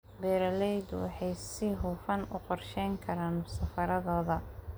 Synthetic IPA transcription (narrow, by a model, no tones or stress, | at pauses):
bɛːɾɐlɛjd̪wɑ̰ħɑjsɪɦʊːfɐnʊ̰qɔrʃɛjŋkʰɐɾaːnsɐfɐɾɐðɔːðɐ